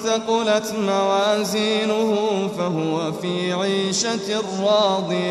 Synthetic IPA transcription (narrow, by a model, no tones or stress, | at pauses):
θaqʊlat̪mawaːziːnʊhʊfaɦʊwafiːʕiːʃarːɑːd̪ˤɨj